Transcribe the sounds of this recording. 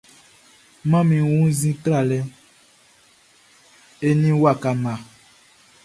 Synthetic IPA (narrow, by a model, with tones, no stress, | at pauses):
mã˦mĩ˨wũ˦zĩ˦tɾa˨lɛ˦ | e˦nĩ˦wa˨ka˨mã˨